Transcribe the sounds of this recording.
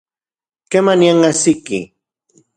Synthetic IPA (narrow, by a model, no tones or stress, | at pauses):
kemanjaŋasɪkɪ̰